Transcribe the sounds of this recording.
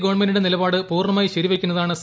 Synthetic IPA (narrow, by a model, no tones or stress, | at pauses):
ɡoːɳmenːuɽenilɐbaːɽɨpuːrɳɐmaːjiɕɐɾiʋekʲːunːɐðaːɳɨs